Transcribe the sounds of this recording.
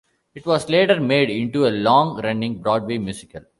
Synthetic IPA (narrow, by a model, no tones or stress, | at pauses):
ɪʈʋɔːzleːʈəɾmeːɖɪ̃ɳʈuelɔ̃ːŋɾɛ̃ɳɖɪ̃ŋbɾɔːɖʋeːmjuːsɪkəl